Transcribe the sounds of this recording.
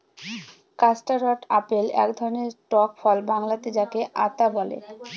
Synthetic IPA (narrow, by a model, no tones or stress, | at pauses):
kasʈaɾɔʈapelɛ̰kd̪ʱɔɾoneɾʈɔkfɔlbaŋlat̪ed͡ʑakeʔat̪abɔlḛ